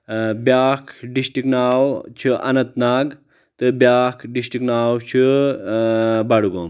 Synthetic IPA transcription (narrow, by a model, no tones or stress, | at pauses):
bjaːkʰɖisʈiknaːwt͡ʃʰiʔɐ̰nɐt̪naːɡ | t̪ɨbjaːkʰɖisʈiknaːwt͡ʃʰi | baɽuɡom